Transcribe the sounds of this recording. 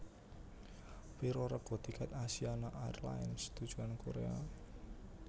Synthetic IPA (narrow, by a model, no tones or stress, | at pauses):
wiɾoɾəɡ̥ɔ̤d̪̥i̤kɛt̪asianaʔaj̰rla̰ɪnst̪ud̥ʒ̥ṳankoɾḛa̰